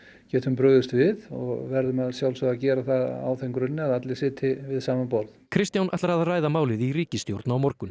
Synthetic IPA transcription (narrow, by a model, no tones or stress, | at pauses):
cɛːt̪hʏmpɾœːɣðʏst̪vɪðɔɣvɛɾðʏmaðsjawlsɔacɛːɾaθaða̰wθejŋkɾʏnːɪaðat̪lɪsɪːt̪ʰɪvɪðsaːmanpowlðkʰɾɪst̪jawnʔat̪laɾaðraːjðamaːwlɪðiɾiːcɪst̪jowɾt̪nawmɔɾkʏn